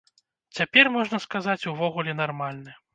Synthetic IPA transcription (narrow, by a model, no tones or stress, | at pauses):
t͡sʲapʲɛrmɔʐnɐskazat͡sʲuvɔɣulʲɛnarmalʲnɨ